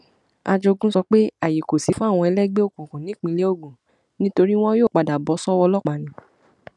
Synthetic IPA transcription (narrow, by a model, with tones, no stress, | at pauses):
a̰˧d͡ʒo˧ɡũ˦sɔ˧k͡pe˦a˦˨ji˨ko˨si˨˧fũ˦a˦˨w̃ɔ̃˧ɛ˧lɛ˦ɡ͡be˦o˦˨kũ˨kũ˨nĩ˨˦k͡pĩ˧le˨˦o˦˨ɡũ˨ | nĩ˦to˧ɾi˦w̃ɔ̃˦joː˦˨k͡pa˨da˨bɔ˨˧˦sɔ˦wɔ˧lɔ˦k͡pa˨˦nĩ˨˧˦